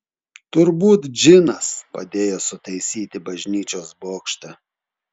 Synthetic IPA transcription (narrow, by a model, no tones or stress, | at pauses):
t̪ʊɾbuːt̪d͡ʒʲɪnɐspɐ̰d̪ʲeːjoːsʊt̪ɐɪsʲiːt̪ʲɪbɐʒʲnʲiːt͡ʃʲoːsboːkʃt̪ɐ